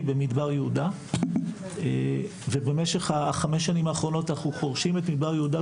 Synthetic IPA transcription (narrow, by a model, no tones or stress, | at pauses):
bemid̪baʁjeuda | e | ve̞bemeʃeχaχameʃ̬animaːχʁo̞no̞tanaχupo̞ʁʃimet̪mid̪baʁjehuda